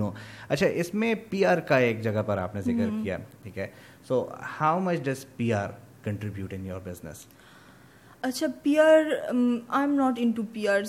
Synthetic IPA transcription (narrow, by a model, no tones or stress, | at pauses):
noːɐtːʃʰaʔɪsmẽpiːaːɾkaeːkd͡ʒɐɡapɐɾa̰ːpnezɪkəɾkija̰ːʈʰiːkɦɛː | soːhaʊmɐt͡ʃɖɐzpiːaːɾ | kə̃ɳʈɾɪbjuːʈɪ̃njoːɾbɪznɪ̰s | ɐtːʃʰapiːaːɾãɪ̃mnɔːʈɪ̃ɳʈupiːaːɾ